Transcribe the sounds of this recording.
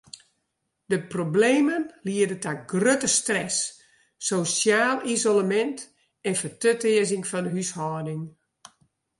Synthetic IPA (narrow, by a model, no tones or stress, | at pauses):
dəprobleːmənliədətaɡrøtəstrɛsː | osjaːlˠizoləmɛnt | ɛnfətøtɪəzɪŋfɔnəɦyshɔːdɪŋ